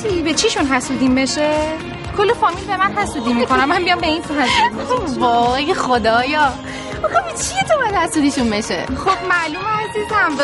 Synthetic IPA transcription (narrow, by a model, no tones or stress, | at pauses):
suibet͡ʃʰiʃunɦæsud̪imeʃe | kʰolːefɒːmilbemænɦæsud̪imikʰonæmːæmbijɒmbeinfaziovɒːɣejexod̪ɒːjɒ | oxabet͡ʃʰiet̪ʰobæd̪hæsud̪iʃunbeʃḛxob̥̚mæluːmeæziːzhæm